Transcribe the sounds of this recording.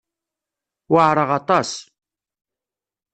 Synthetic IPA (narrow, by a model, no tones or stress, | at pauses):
wəʕɾˤəʁɑt̪ˤɑs